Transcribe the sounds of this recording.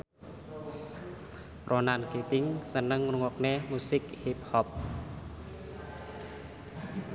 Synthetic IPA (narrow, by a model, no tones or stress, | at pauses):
ronanket̪ɪŋsənəŋnuŋwɔk̚nemusɪkhip̚hɔp̚